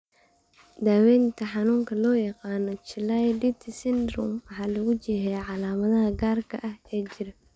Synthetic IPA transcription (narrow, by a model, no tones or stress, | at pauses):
d̪aːwɛnt̪ʰɐħɑnuːŋkʰɐlɔːjɑqɑːnɔt͡ʃɪlajdit̪ʰɪsɪnd̪ɾṵmwɑħɑːlɐɣʊd͡ʒɛhɛjʕɑlaːmɐðɐɦɐɡaːrkʰɐ̰ʔɐhɛːd͡ʒɪɾɐ